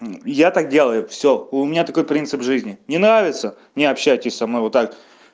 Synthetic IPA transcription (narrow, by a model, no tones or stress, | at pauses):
jat̪ak̚dʲe̞lˠəjʊfsʲoʊmʲɪnʲat̪ɐko̞jpɾʲint̪sɨpʐɨzʲnʲɪnʲɪnɾavʲɪt̪sə | nʲɪɐpɕːæjtʲɪsʲsɐmnojvot̪ːak̚